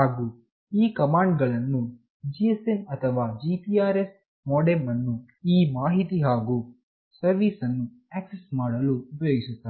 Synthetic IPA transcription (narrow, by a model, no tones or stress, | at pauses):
haːɡuː | iːkɐmaːɳɖɡɐɭɐnːu | d͡ʒiesenɐt̪ʰɐʋaːd͡ʒipiaːɾes | mɔːɽemːɐnːu | iːmaːɦit̪iɦaːɡuː | sɐɾʋiːsɐnːu | aːksesmaːɽɐluupɐjoːɡisut̪ːaːɾ